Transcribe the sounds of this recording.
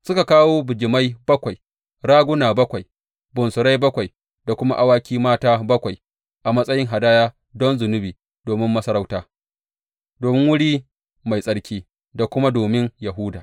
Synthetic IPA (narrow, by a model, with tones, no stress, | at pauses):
sʊ˦ka˨kaː˦woː˦bɪ˨d͡ʒɪ˨ma˦jbɐ˦kʷa˨j | ɾaː˦ɡʷʊ˦naː˨bɐ˦kʷa˨j | bʊ˨nsʊ˨ɾa˦jbɐ˦kʷa˨j | da˨kʷʊ˦ma̰˦ʔa˦waː˦kʲiː˦maː˦taː˦bɐ˦kʷa˨j | ʔa˨mɐ˦sʼɐ˦jɪ˦ŋɦa˨daː˦jaː˦ | dɔ˦nzʊ˨nʊ˦biː˨ | doː˨mɪ˦mːɐ˦sɐ˦ɾa˦wtaː˦ | doː˨mɪ˦ŋwʊ˦ɽiː˦ | ma˨jsʼɐ˦ɽkʲiː˦ | da˨kʷʊ˦ma˦doː˨mɪ˦ŋjɐ˨ɦʊ˦daː˨